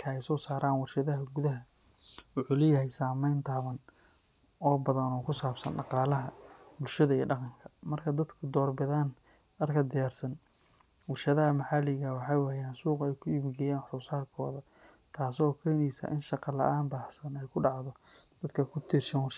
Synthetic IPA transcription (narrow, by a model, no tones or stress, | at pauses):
kʰɐɛjsɔːsaːɾʔaːnwɑrʃɐðɐɦɐɡʊðɐɦɐ | wʊħuːlɛːjɐɦɛjsaːmɛjnt̪ʰaːβɐn | ɔːbɐðɐnɔːkʰʊsaːbsɐ̰nɖɑqɑːlɐɦɐbʊlʃɐðɐiːɖɑqɑŋkʰɐ̥mɐrkʰɐd̪ɐd̪kʰʊd̪ɔːrbɐðaːn | ɐrkʰɐd̪ɪjaːrsɐn | wɑrʃɐðɐhɐmɐħalɪɣɐwɑħɑjwɑjaːnsuːqɛjkʰʊibɡɛjaːnħɾuːsaːd̪kʰɔ̰ːðɐ | t̪ʰaːsɔːkʰɛːnisɐ̰ʔɪnʃɑqɑlɐ̰ʔaːnbaːħsɐnɛjkʰʊɖɑʕðɔd̪̥ɐd̪kʰɐkʰʊt̪ʰiːrʃɐnwɑ